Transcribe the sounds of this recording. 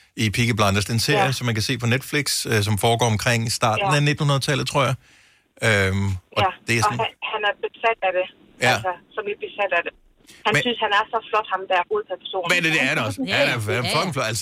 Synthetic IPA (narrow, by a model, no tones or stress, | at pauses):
ipʰiɡ̥əb̥lɑnd̥ɐsd̥e̝nse̝ɐ̰jəsɒ̽mænkʰæse̝̰ːpʰɒ̽ned̥fliɡ̥søs̬ɒ̽mfɒːɡ̥ɒ̰ːɒmkʰʁeŋ̰isd̥ɑ̰̈ːdnæɐne̝d̥n̩hunɐðˠt͡sʰɛl̰ð̩ˠt͡sʰʁo̝ɐ̰jɑ | ømʔɒ̽d̥e̝æhænæɐb̥e̝sæd̥æd̥e̝ | jæsɐsɒ̽mle̥b̥e̝sæd̥æd̥e̝ | hænmsynshænæɐsɒ̽flɒ̽d̥hɑ̈md̥ææɐɡ̥o̝ːð̩ˠpʰæspʰæso̝̰ːmeded̥eɐɾeɒ̽sædæfʰɒɡ̥n̩flɒæls